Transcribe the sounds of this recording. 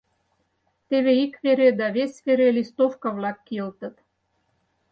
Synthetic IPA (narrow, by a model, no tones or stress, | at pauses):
t̪eβeikβeɾed̪ɑβesʲveɾelist̪ofkɑβlɑkːilt̪ə̆t̪